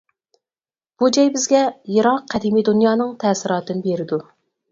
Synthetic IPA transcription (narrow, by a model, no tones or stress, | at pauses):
b̥ud͡ʒɛjbɪzɡʲɛjeɾɑqʰːɛd̪imijd̪unjɑːnɨŋt̪ʰɛːsɪɾɑːt̪ɨnɪbeɾɪd̪u